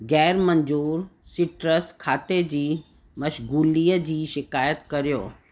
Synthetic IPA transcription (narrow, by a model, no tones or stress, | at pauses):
ɡɛːɾməɲd͡ʑuːɾsiʈɾəskʰaːt̪ed͡ʑiː | məʃɡuːlijəd͡ʑiːʃɪkaːjət̪kəɾjoː